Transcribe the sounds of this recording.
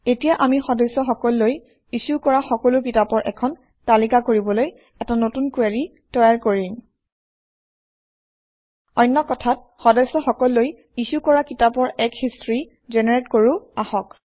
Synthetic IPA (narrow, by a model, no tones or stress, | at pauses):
etijaʔamixɔdɔjsɔxɔkɔlːoj | isukɔɹaxɔkɔlʊkitapɔɹʔɛ̰kʰɔn | talikakoɹibɔloj | ɛtanotunkuaɹi | tɔjaɹkoɹim | ɔjnːɔkɔtʰat̚ | xɔdɔjsɔxɔkɔlːoj | isukɔɹakitapɔɹɛkhistɹi | zɛnɛɹetkoɹʊahɔk